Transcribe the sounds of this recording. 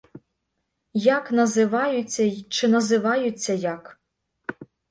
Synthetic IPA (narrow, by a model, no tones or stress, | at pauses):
jɑknɐzɪʋɑjʊt͡sʲːɐt͡ʃɪnɐzɪʋɑjʊt͡sʲːɐjɑk